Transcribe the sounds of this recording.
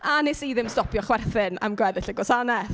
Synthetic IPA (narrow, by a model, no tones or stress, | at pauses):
anɪsiðɪmstɔpʰjɔχwɛrθɪna̰mɡwɛðɪɬəɡwɔsanɛθ